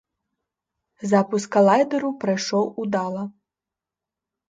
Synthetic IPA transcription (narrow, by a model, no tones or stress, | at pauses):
zapuskɐlˠajd̪ɐɾupɾajʂɔwud̪alˠɐ